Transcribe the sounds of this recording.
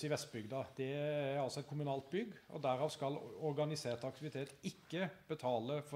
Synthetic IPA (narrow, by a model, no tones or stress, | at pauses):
ɪʋɛst̪̚bʏɡd̪ɑd̪̥ɛæɾɑlsɔɛt̪̚kʰʊmʉnɑːlt̪̚bʏɡɔ̰d̪æɾɑːʋskɑlɔɾɡɑnɪseːt̪ɑk̚t̪ɪʋɪt̪ʰeːt̪ɪkːəb̥ət̪ʰɑːləf